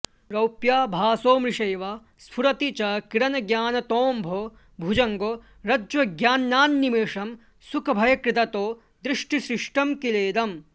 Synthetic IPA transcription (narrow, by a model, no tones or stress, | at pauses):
ɾɐwpjaːbʱaːsoːmɾiʂɐjʋaː | spʰuɾɐt̪it͡ʃɐkiɾɐnɐɡjaːnɐt̪oːmbʱoː | bʱud͡ʒɐŋɡoː | ɾɐd͡ʒʋɐɡjaːnjaːnːimeːʂɐm | sukʰɐbʱɐjɐkɾɪt̪ɐt̪oː | d̪ɾiʂʈisɾɪʂʈɐmkileːd̪ɐm